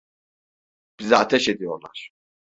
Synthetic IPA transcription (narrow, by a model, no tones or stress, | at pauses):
b̥izɛat̪ʰɛʃed̪ijoɾlˠa̰ɾ̥